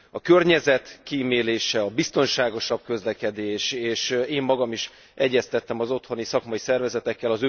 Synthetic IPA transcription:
ɒkø̞rɲɛzɛt̪kimeːleːʃɛɒbist̪o̞nʃaːɡo̞ʃɒb̥̚kø̞zlɛkɛd̪eːʃeːʃeːmːɒɡɒmiʃ | ɛɟːɛst̪ɛt̪ːɛmɒzo̞t̪ho̞nisɒkmɒisɛrvɛzɛt̪ɛkːɛlɒzø

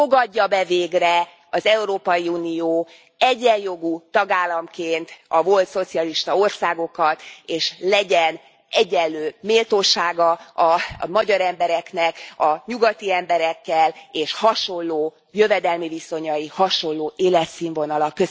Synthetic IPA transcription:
fo̞ɡɒdːɒbɛveːɡrɛ | ɒzɛuɾoːpɒjiuːnijoː | ɛɟːɛjjo̞ɡut̪ɒɡaːlːɒmkeːnt̪ɒvo̞lt̪so̞t̪siɒliʃt̪ɒo̞rsaːɡo̞kɒt̪eːʃlɛɟɛn | ɛɟːɛlːøːmeːlt̪oːʃaːɡɒɒmɒɟɒɾɛmbɛɾɛknɛkɒɲuɡɒt̪iɛmbɛɾɛkːɛleːʃhɒʃo̞nːoː | jø̞vɛd̪ɛlmiviso̞ɲɒjihɒʃo̞llːoːʔeːlɛt̪siːɱvo̞nɒlɒkːø

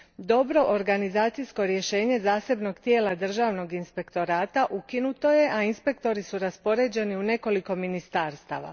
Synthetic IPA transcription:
d̪o̞bɾo̞ʔoɾɡanizaːt̪sijsko̞ɾje̞ʃe̞ːɲe̞zaːse̞bno̞ɡt̪je̞ːlad̪r̩ʒaːʋno̞ɡinspe̞kt̪o̞ɾaːt̪aʔukinut̪o̞je̞ʔainspe̞k̚t̪o̞ɾisuɾaspo̞ɾe̞d͡ʑe̞niune̞ko̞liko̞minist̪aːɾst̪a̰ːʋa̰

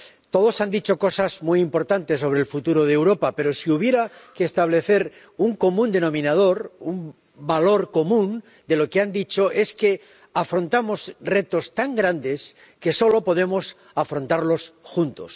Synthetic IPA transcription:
t̪o̞ð̞o̞sand̪it͡ʃo̞ko̞sazmujimpo̞ɾt̪ant̪es̬ːo̞β̞ɾelfut̪uɾo̞ð̞ewɾo̞pape̞ɾo̞siuβ̞je̞ɾakeːst̪aβ̞le̞θe̞ɾ | uŋko̞mũnd̪e̞nõ̞mĩnað̞o̞ɾum | balo̞ɾko̞mũn | d̪e̞lo̞keand̪it͡ʃo̞ʔe̞ske̞ | afɾõ̞nt̪amo̞sre̞t̪o̞st̪aŋɡɾand̪e̞s | ke̞so̞lo̞po̞ð̞e̞mo̞s | afɾo̞nt̪aɾlo̞sxunt̪o̞̰s

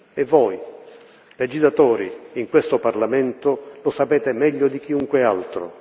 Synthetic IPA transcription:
evːɔːj | led͡ʒizlat̪ɔːɾḭːŋkwest̪ʊparlamɛnt̪ʊlʊsapɛːt̪emɛʎːʊd̪ik̟iuŋkwɪa̰lt̪ɾʊ̰

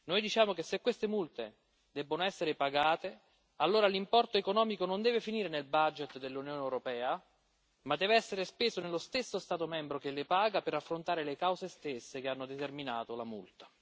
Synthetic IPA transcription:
nojd̪it͡ʃaːmokesːekːwest̪emult̪e | d̪ɛbːonoɛsːeɾɪpaɡaːt̪e | alːoːɾalimpɔrt̪oekonɔːmikonond̪ɛːvefiniːɾenelbad͡ʒet̪d̪elːunjoːneɛwɾopɛːa | mad̪ːɛːveɛsːeɾespeːsonelːost̪esːost̪aːt̪omɛmbɾok̟elːɪpaːɡapeɾafːɾont̪aːɾelekawzest̪esːek̟eanːod̪et̪ermina̰ːt̪olamṵlt̪ḁ

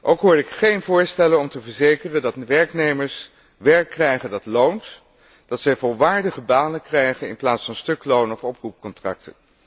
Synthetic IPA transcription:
ʔowkɦʊːɹɪkχejnvʊːɹstɛlənɔmtəvəɹzejkərəndɑtʋɛɹknejməɹs | ʋɛɹkːrɛjχəndɑtlownt | d̥ɑtsɛjvɔlˠʋaːɹdəχəbaːnəkrɛjχənɪnplaːtsfɑnstɵklownɔfɔprupkɔntrɑ̰k̚tən

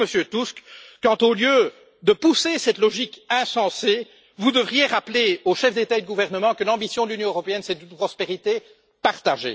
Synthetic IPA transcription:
məsjøt̪uskːɑ̃t̪oljø | d̪əpusesɛt̪lɔʒikɛ̃sɑ̃se | vud̪əvʁijeʁapleoʃɛfd̪et̪aed̪əɡuvɛʁnəmɑ̃kəlɑ̃bisjɔ̃d̪əlynjɔ̃øʁɔpeɛnsɛd̪ynpχɔspeʁit̪e | paʁt̪aʒḛ

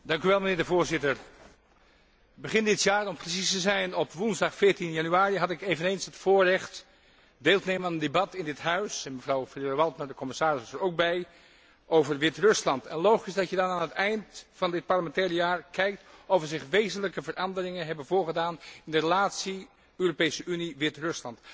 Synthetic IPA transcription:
dɑŋkyʋɛlˠmənɪːɹdəvʊːɹzɪtəɹ | bəχɪndɪtjaːɹɔmprəsistəzɛjnɔpʋunzdɑχfɪːɹtinjɑnyaːɾiɦɑtɪkejvənejnsətfʊːɹrɛχt | deːlˠtənejmənaːnəndebɑtɪndɪtɦœɥsɛnməvrɑwfdʋɑlˠtmaɹdəkɔmɪsaːɹɪssəɹowk̚bɛj | ʔowvəɹʋɪtrɵslɑntɛnlowχiɪsdɑtjədɑnaːnətɛjntfɑndɪt̚pɑɹləmɛntɛːɹəjaːɹkɛjk̚tɔfəɹzɪχʋejzənləkəvərʔɑndərɪŋənɦɛbənvʊːɹχədaːnɪndərəlaːtsi | øːropejsəʔyniʋɪtrɵslɑnt

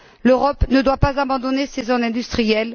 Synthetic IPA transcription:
løʁɔpnəd̪wapazabɑ̃d̪ɔnesezɔ̃nɛ̃d̪yst̪χijɛl

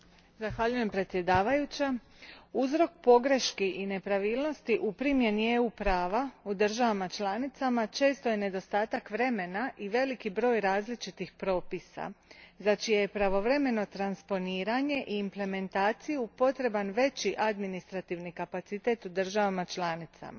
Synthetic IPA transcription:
zaxʋaʎuje̞mpɾet̪sje̞d̪aːʋajut͡ɕa | uzɾo̞k̚po̞ɡɾe̞ʃkiʔine̞pɾaʋiːlˠno̞st̪iʔupɾimje̞nijeupɾaːʋaud̪rʒaʋamat͡ʃlanit̪samat͡ʃe̞ːst̪o̞je̞ne̞d̪o̞st̪aːt̪akʋɾe̞me̞naʔiʋe̞likibɾo̞ːjɾaːzlit͡ʃit̪ixpɾo̞ːpisa̰zat͡ʃijejepɾaʋo̞ʋɾe̞me̞no̞t̪ɾanspo̞niːɾaɲe̞ʔiːmple̞me̞nt̪aːt̪sijupo̞t̪ɾe̞banʋe̞t͡ɕiʔad̪minist̪ɾat̪iʋnikapat̪sit̪eːt̪ud̪ər̩ʒaʋamat͡ʃlaːnit̪sa̰ma̰

